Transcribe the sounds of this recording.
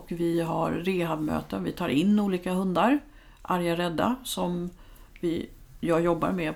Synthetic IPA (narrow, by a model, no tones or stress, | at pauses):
kvɪɦaɾɾeːɦavmø̰ːt̪ənvɪt̪ʰɑːɾʔɪnːuːliːkaɦɵnd̪aɾ | ʔaɾjaɾɛd̪ːa̰sɔm | vɪ | jɑːɡjɔbːa̰ɾmɛ